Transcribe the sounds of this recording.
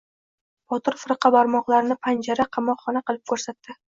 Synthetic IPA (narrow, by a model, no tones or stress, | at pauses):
bɒt̪ɪɾfɨɾɨqʰɑbaɾmɒqlˠaɾnɪpʰand͡ʒaɾaqʰɑmɒqχɒnaqɨlˠɪp̚kʰɵɾsat̪ːɪ